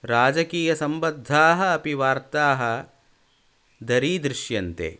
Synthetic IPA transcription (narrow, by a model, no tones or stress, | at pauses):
ɾaːd͡ʒɐkiːjɐsɐmbɐd̪ʱːaːɦɐːpiʋaːɾt̪aːɦɐ̆ | d̪ɐɾiːd̪ɾɪʃjɐnt̪ḛː